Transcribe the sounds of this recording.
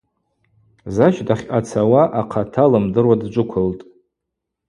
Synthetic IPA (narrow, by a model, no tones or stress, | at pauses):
zaʃdaχʲat͡sʰawaʔaqʰatʰalɨmdɨrwadd͡ʒʷʼʊkʷʰʊltʼ